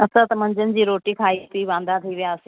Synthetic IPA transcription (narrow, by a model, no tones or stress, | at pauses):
əsãt̪ɐmə̃ɲd͡ʒənd͡ʑiːɾoːʈiːkʰaːit̪iːʋãːnd̪at̪ʰiːʋɪjaːəse